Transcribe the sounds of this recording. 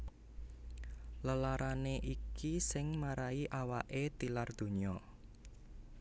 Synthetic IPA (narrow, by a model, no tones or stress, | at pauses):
ləlaɾʔaneʔikisɪŋmaɾaiʔawaʔet̪ilard̪̥o̤ɲiɔ